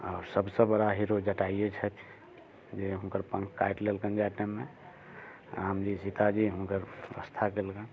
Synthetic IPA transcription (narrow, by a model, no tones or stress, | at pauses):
ɔːɾsəbsebəɽaɦiɾod͡ʒəʈaiet͡ʃʰɛt̪ʰ | d͡ʒeɦũkəɾpə̃ŋkːajʈlelkənd͡ʒaʈneme | aːmd͡ʒisit̪ad͡ʒiɦũkəɾə̰st̪ʰakelkən